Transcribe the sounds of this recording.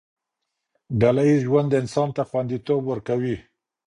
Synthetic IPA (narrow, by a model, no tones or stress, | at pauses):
ɖalajizʒwand̪əɪnsɑnt̪axwand̪it̪obwəɾkawi